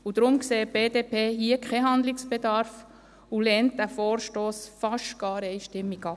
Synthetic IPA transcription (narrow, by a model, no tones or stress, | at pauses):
ud̥̪ɾʊmkseːb̥eːdepʰeːɦiəkχɛɦɑnd̪lɪksb̥ed̪ɑɾf | ulɛnt̚d̥æfoːɾʃtoːsfɑʃtɡ̥ɑːɾɛɪʃtɪmːiɡɑ